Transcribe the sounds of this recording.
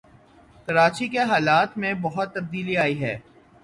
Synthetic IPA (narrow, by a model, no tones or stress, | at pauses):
kɐɾaːt͡ʃikeɦaːlaːt̪mẽbɐɦʊt̪ːɐb̚d̪iːliaːiɦɛ̰ː